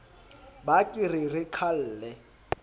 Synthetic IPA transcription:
bakʼɪrɪrɪǃʰal̩ːlɛ

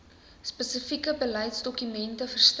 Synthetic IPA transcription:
spəsəfikəbəlɐjtsdɔkymɛntəfərst

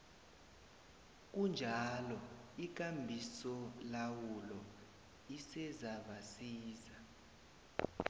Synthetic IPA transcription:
k̬und͡ʒʱalɔik̬ambʱisɔlawulɔ | isɛzaɓasiːza

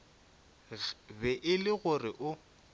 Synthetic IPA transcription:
bɛʔɪlɪɣʊrɪʔʊ

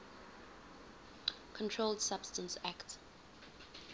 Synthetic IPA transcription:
kʰɔ̃ntʰɹoldsab̥stə̃nsakt

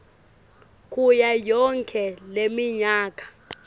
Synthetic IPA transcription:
kʼujajɔŋkʰʼɛlemiɲaːkʼḁ

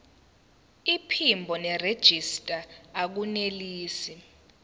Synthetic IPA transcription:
ipʰimbʱɔnɛred̥ʒ̥ʱistʼaːk̬uneliːsi

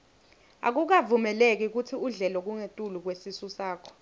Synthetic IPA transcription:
a̰k̬uk̬avumɛlek̬ik̬utʰiuɮɛlɔk̬uŋetʼuluk̬wesisusaːkʰɔ̥

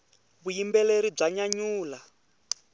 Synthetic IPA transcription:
βujimbɛleɾib͡ʐaɲaɲuːla

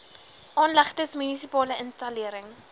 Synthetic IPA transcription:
ʔɑːnlɐχtəsmynisipɑːləənstɐliəɾəŋ

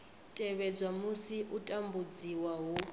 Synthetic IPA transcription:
tʼɛβɛd͡zʷwamusiʔutʼambud͡ziwaɦu

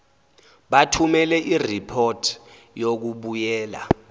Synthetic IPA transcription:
ɓatʰumɛlɛʔiripʰotʰ | jok̬uɓujɛːla̰

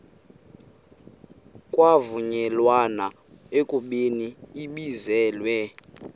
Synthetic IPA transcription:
kʼwavuɲɛlwanaekʼuɓeniːɓizɛːlwɛ

